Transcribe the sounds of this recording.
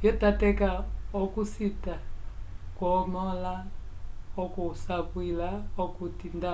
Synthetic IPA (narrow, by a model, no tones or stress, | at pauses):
jɔtatɛkaɔkusita | kwɔmɔla | ɔkusakwilaɔkutinda